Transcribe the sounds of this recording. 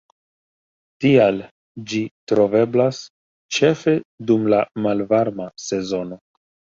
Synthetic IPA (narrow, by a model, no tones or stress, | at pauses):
tial | d͡ʒitɾo̞ve̞blas | t͡ʃe̞fe̞dumlamalvaɾmase̞zo̞no̞